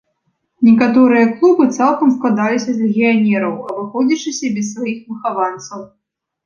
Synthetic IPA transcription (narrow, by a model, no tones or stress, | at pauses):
nʲɛkat̪ɔɾɨjɐklˠubɨt̪salˠkɐmsklˠad̪alʲisʲɐzʲlʲɛɣʲijanʲɛɾɐwɐbɨxɔd͡zʲit͡ʂɨsʲɐbʲɛs̬ːvajixmɨxavant̪sɐw